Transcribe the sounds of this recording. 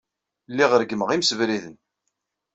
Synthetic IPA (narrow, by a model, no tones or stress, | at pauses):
lːiʁəɾɡməʁimsəvɾiðən